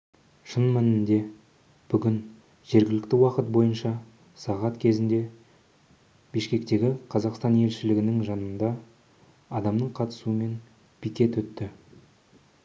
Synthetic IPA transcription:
ʃənmænɪnd̪e̞ | b̥ʏɡʲɪn | ʒe̞ɾɡʲɪlɪk̚t̪ɪwɑqət̪̚bo̞jənʃɑ | sɑʁɑt̪kʲʰe̞zɪnd̪e̞ | beʃkʲe̞kt̪e̞ɡʲɪqʰɑzɑqst̪ɑne̞lʃɪlɪɡʲɪnɪŋʒɑnənd̪ɑ | ɑd̪ɑmnəɴqʰɑt̪ə̥suəme̞n | bikʲe̞t̪wɵt̪ːɪ

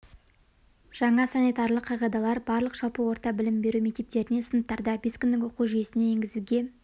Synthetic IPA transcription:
ʒ̥ɑɴɑsanʲijt̪ɑrlˠəqʰːɑʁɑd̪ɑlˠɑɾbɑɾlˠəqʒɑlˠpəwo̞ɾt̪ɑbɪlɪmbe̞ɾume̞k̚t̪e̞p̚t̪e̞ɾɪne̞sənəp̚t̪ɑɾd̪ɑbe̞skʲʏnd̪ɪkwoquʒije̞sɪne̞eŋɡʲɪzuɡʲe̞

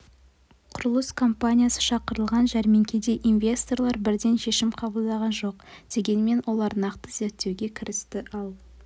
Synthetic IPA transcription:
qʰʊɾəlˠəskʰo̞mpanʲijasə̥ʃɑqəɾəlˠʁɑnʒæɾme̞ŋkʲe̞d̪e̞ʔinvʲe̞st̪o̞rlˠɑɾbɪɾd̪e̞nʃe̞ʃɪmqʰɑbəlˠd̪ɑʁɑnʒo̞qd̪̥e̞ɡʲe̞nme̞nwo̞lˠɑɾnɑqt̪əze̞ɾt̪ːe̞wɡʲe̞kʲʰɪɾɪst̪ɪʔɑlˠ

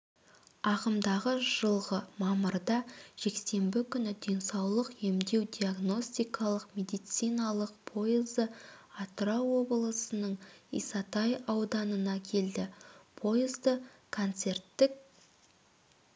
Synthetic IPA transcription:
ɑqəmd̪ɑʁəʒ̥əlˠʁəmɑməɾd̪ɑʒ̥e̞kse̞mbɪkʲʰʏnɪd̪ʲe̞nsɑwlˠəqje̞md̪e̞wd̪ʲiaɡno̞sʲt̪ijkʰɑlˠəqmʲe̞d̪ijt̪sijnɑlˠəq̚pʰo̞jɪzəat̪ɾawo̞bəlˠəsənəɴḭjsɑt̪ɑjɑwd̪ɑnənɑkʲʰe̞ld̪ɪpʰo̞jɪzd̪əkʰont̪se̞rt̪ːɪk̚

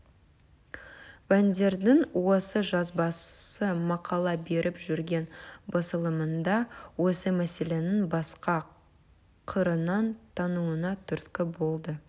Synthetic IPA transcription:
wænd̪e̞ɾd̪ɪŋwo̞səʒɑzbɑsəmɑqʰɑlˠɑbe̞ɾʔɪpʒʏɾɡʲe̞nbɑsəlˠəmənd̪ɑwo̞səmæse̞le̞nɪŋbɑsqɑ | qʰəɾənɑnt̪ʰɑnuwənɑt̪ʰʏɾt̪kʲɪbo̞lˠd̪ə

